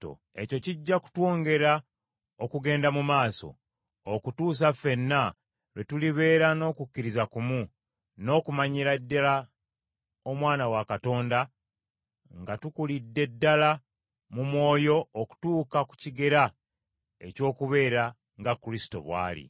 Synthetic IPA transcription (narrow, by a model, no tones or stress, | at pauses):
o̰ | e̞co̞ciɟːaku̥two̞ːŋɡe̞ɾa | okuɡe̞ːndamumaːso̞̰ | okutuːs̬afe̞nːa | lwe̞tuliβe̞ːɾano̞ːkukːiɾizakumu | no̞ːkumaɲiɾadːala | omwaːnawakato̞ːnda | ŋɡatukulidːe̞dːala | mumwo̞ːjo̞ːku̥tuːkaku̥ciɡe̞ɾa | e̞̰co̞ːkuβe̞ːɾa | ŋɡakɾisi̥to̞̰βwa̰ːlḭ